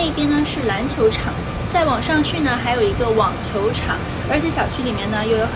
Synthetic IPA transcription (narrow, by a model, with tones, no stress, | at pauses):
e˥˩i˧˩pjɛ˥nnə˧ʂɻ̩˥˩la˧˥nt͡ɕʰjo˧˥ʊʈ͡ʂʰɑ˨˩˦ŋ | t͡sa˥˩ɪwɑ˨˩ŋʂɑ˥˧ŋt͡ɕʰy˥˩nə˩xa˧˥ɪjo˨˩ʊi˧˥ɡə˧wɑ˨˩ŋt͡ɕʰjo˧˥ʊʈ͡ʂʰɑ̰˨˩˦ŋ | ə˞˧˥t͡ɕʰjɛ˨˧˥ɕjɑ˨˩ʊt͡ɕʰy˥li˨˩mjɛ˥˩nə˩jo˥˩ʊjo˧˥ʊ